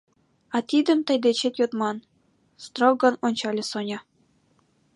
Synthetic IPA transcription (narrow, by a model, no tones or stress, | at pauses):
ɑt̪ʲid̪ʲɘ̆mt̪ɤ̆jd̪et͡ɕet̪ʲjot̪mɑn | st̪roɡɤ̆nonʲt͡ɕɑlʲĕsonʲɑ̆